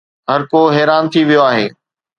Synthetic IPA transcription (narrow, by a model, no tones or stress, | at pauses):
ɦɐɾkoɦɛːɾaːnt̪ʰiʋijoaːɦeː